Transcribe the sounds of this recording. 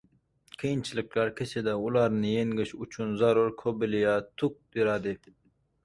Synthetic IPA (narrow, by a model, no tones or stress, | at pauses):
kʰijint͡ʃʰilɪklæɾkʲʰet͡ʃʰed̪ɛulˠɑɾnɨjeŋɡɪʃut͡ʃʰunzɑɾuɾkʰobɪlijɑt̪ʰuk̚b̪̥iɾɑd̪ɪ